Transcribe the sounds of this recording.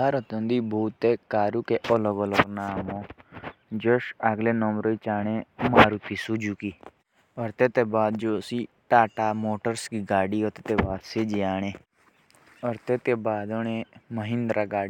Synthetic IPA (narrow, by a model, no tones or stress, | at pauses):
aɾət̪õnd̪iːbʱuːt̪ːeːkaːɾuːkeʔɔləɡɔləɡnaːmõː | d͡ʒoʃəɡleːnɔmɾoːit͡ʃaːɽ̃eːmaːɾuːpʰisuːd͡ʒuːkiː | ɔːɾt̪eːt̪eːbaːd̪̚d͡ʒoːsiːʈaːʈaːmoːʈəɾskiːɡaːɖiːot̪et̪eːbaːd̪seːd͡ʒeaːɽ̃eː | ɔːɾt̪eːt̪eːbaːd̪oɳ̃eːməɦɪ̃nd̪ɾaːɡaːɽ